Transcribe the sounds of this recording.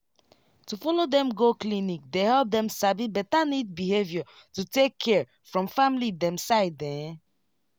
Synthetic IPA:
tufɔlodɛ̃mɡoklinik̚dehɛlp̚dɛ̃msabibɛttanid̚bihevjɔ | tutekʰːɛɹ | fɹɔ̃mfãmlidɛ̃msaɪddɛ̃

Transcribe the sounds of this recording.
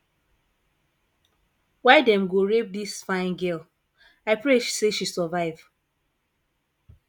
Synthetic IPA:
waɪdɛ̃mɡoɹep̚disfãɪ̃nɡɛl | aɪpɹeʃseʃisɔvaɪv

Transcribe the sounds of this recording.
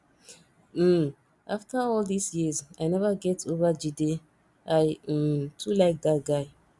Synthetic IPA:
m̩ | ʔaftʰəɔld̪isjizajnɛvəɡɛtʰovəd͡ʒide | ʔaj̩tʰulaɪk̚d̪at̚ɡaɪ

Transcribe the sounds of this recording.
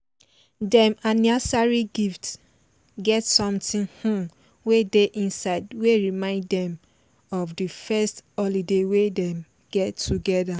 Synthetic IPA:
dɛ̃manasaɹiɡift | ɡɛtsɔ̃mtĩnhũm | wedeʔĩnsaɪdweɹimãɪ̃nddɛ̃m | ɔvdifɛsthɔlidewedɛ̃m | ɡ̥ɛtʰːuɡɛda

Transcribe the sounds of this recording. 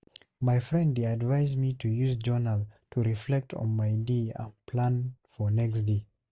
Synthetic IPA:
maɪfɹɛ̃ndədvaɪzmitʰujuzd͡ʒɔnəltʰuɹiflɛk̚tʰɔ̰̃nmaɪdeə̰̃pʰlãnfɔnɛksde

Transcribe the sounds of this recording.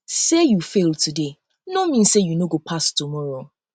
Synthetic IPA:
sejufeltʰude | nomĩnsejunoɡopʰastʰumɔɹo

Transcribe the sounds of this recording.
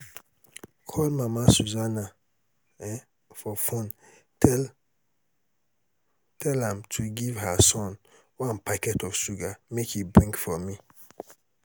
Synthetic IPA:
kʰɔlmamasuzana | fɔfɔ̃n | tʰɛlãmtʰuɡivɦasɔ̃n | wãnpʰakɛtɔv̥ʃuɡamekhibɹĩŋkfɔmi

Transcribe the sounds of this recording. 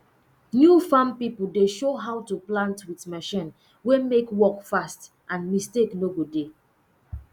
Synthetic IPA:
njufãmpipl̩deʃoɦawtuplãntwitmɛʃĩn | wemekwɔkfast | ʔãnmisteknoɡode

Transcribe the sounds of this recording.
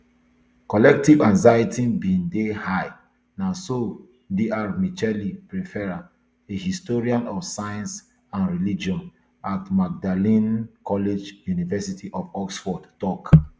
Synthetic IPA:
kɔlɛk̚tivãŋzaitibĩndehaɪ | naso | diʔaɹmit͡ʃɛlipɹifɛɹa | ehistɔɹiãnɔfsajãns | ãnɹilid͡ʒiɔ̃n | atmaɡ̚dalĩnkʰɔled͡ʒjunivɛsitʰiʔɔfɔksfɔdtɔk

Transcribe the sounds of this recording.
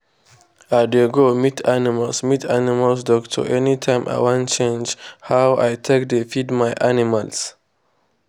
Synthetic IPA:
adeɡomitʰanimalsmitʰanimalsdɔktʰə̰ʔɛnitʰãɪ̃mʔa̰ɪwãnt͡ʃẽnd͡ʒhawʔa̰jtʰek̚defidmajʔanimals

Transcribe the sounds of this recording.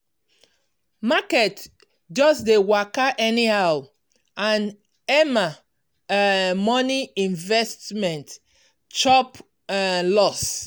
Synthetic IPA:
makɛt | d͡ʒɔsdewakaʔɛnihaʊ | ãn | ɛma | mɔniĩɱvɛstmɛ̃nt | t͡ʃɔp | lɔs

